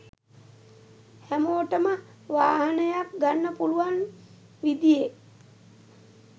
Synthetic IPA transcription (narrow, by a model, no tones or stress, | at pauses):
hæmoːʈəmə | ʋaːɦɐnəjak̚ɡanːəpuluʋan | ʋid̪ije